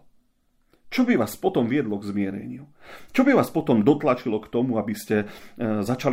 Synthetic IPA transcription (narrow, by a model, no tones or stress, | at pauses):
t͡ʃɔbiʋaːspɔt̪ɔmʋɪɛd̪lɔɡzmɪɛɾɛ̰ɲut͡ʃɔbiʋaːspɔt̪ɔmd̪ɔt̪lat͡ʃilɔkt̪ɔmuabiscɛzat͡ʃal